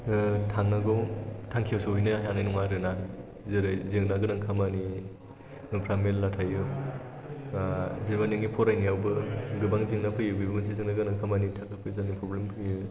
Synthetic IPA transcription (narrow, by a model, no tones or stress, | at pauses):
tʰaŋnaɡɔwtʰaŋkʰijawsɯujnɯjanajnɔŋaɾɯna | zɯɾɯzɯŋnaɡɯnɯŋkʰamani | nupʰɾamelːatʰajɯ | zɯɾmanɯŋipʰɔɾajnijawbɯɡɯbaŋziŋnapʰɯjɯbibmɯnsezɯŋnaɡɯnaŋkʰamanitʰakɯpʰɯzanipʰɾɔblempʰɯjɯ